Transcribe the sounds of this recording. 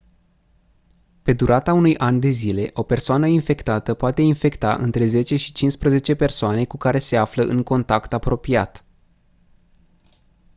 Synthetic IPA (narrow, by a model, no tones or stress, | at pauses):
pe̞d̪uɾʔat̪aunujʔand̪e̞zile̞ʔo̞pe̞rsoanəinfe̞kt̪at̪əpoat̪e̞infe̞kt̪a̰ʔɨ̰nt̪ɾe̞ze̞t͡ʃe̞ʃi̥t͡ʃinspɾəze̞t͡ʃe̞pe̞rsoane̞kukaɾe̞se̞afləʔɨŋko̞nt̪akt̪apɾo̞piat̪